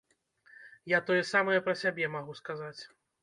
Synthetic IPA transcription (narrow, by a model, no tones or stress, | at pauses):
jat̪ɔjɛsamɐjɛpɾɐsʲabʲɛmaɣuskazat͡sʲ